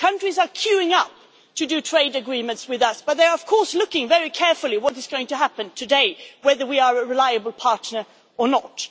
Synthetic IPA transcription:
kʰʌ̃nt͡ʃɹ̥izə˞kʰj̥ʉɪ̃ŋʌp̚ | tʰɨdɨtʰɹ̥eɪdɨɡɹĩmɨ̃ntswɨðʌsb̥ʌt̪̚ðəə˞ʌv̥kʰɔɹslʊkɪ̃ŋvɛɹikʰɛɹfl̩ˠiwʌɾɨzɡoʊɪ̃ŋtɨɦæpɨ̃ntʰɨdeɪwɛðə˞wiəəɹɨlaɪɨbl̩ˠpʰɑɹtⁿnə˞ | ə˞nət

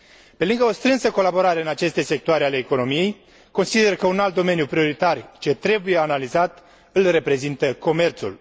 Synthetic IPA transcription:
pe̞lɨŋɡəo̞st̪ɾɨnsəko̞labo̞ɾaɾe̞ɨnat͡ʃe̞st̪e̞se̞k̚t̪oaɾeale̞ːko̞no̞mije̞j | ko̞nsid̪e̞rkəunalt̪̚d̪o̞me̞njupɾio̞ɾit̪art͡ʃe̞t̪ɾe̞buje̞analizat̪ | ɨlre̞pɾe̞zint̪əko̞me̞rt̪sṵl

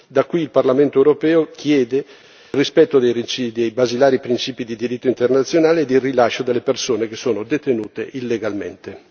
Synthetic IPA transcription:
d̪akːwiːlparlament̪oewɾopɛːok̟ʰjɛːd̪e | rispɛt̪ːod̪eiid̪ejbazilaːɾipɾint͡ʃiːpid̪id̪iɾit̪ːoint̪ernat̪sːjonaːled̪irːilaʃod̪elːepersoːnek̟esːoːnod̪et̪enuːt̪ḛʔilːeɡalmḛnt̪e

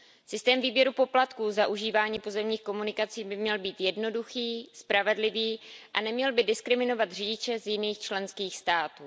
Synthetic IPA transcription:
sɪst̪ɛːmviːbjɛɾupo̞plat̪kuːzaʔuʒiːvaːɲiːpozɛmɲiːxko̞munɪkat͡siːbɪmɲɛlbiːt̪jɛdno̞duxiːspɾavɛdlɪviːʔanɛmɲɛlbɪdɪskɾɪmɪno̞vat̪rɪɟɪt͡ʃɛzjɪniːxt͡ʃlɛnskiːxst̪aːt̪uː

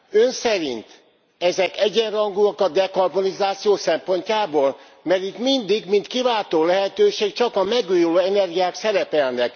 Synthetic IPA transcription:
ø̞nsɛɾḭnt̪ | ɛzɛkɛɟɛnrɒŋɡuɒkɒd̪ɛkɒrbonizaːt̪sijoːsɛmpo̞ɲcaːboːl | mɛɾit̪mind̪iɡmint̪kivaːt̪oːlɛɦɛt̪øːʃeːkt͡ʃɒkɒmɛɡujuloːɛnɛrɡijaːksɛɾɛpɛlnɛk

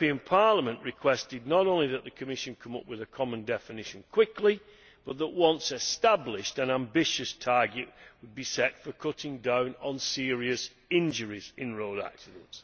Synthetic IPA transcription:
ĩə̃npʰɑɹləmə̃nʔɹɪkʰw̥ɛstɪdⁿnəɾõʊ̃nliðəʔ̪̚ðɨkʰɨmɪʃɨ̃nkʰʊ̃mʊpwɨðɨkʰɒmə̃ndɛfɨnɪʃɨ̃nkʰw̥ɪklɪ | b̥ʌt̪̚ðəʔwʌ̃nsɨstablɪʃtɨ̃nãmbɪʃɨstʰɑɹɡɨʔwəd̚bisɛtfə˞kʰʊtɪ̃ŋdãʊ̃nə̃nsɪɹiɨs | ɪ̃nd͡ʒəɹizɪ̃nɹoʊɾa̰ksɪdə̃nts

